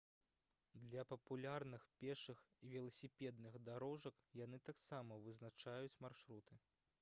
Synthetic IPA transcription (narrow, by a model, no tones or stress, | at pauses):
d̪lʲɐpɐpulʲarnɨxpʲɛʂɨxivʲɛlˠɐsʲipʲɛd̪nɨxd̪aɾɔʐɐk | janɨt̪aksamɐvɨznat͡ʂajut͡sʲmarʂɾut̪ɨ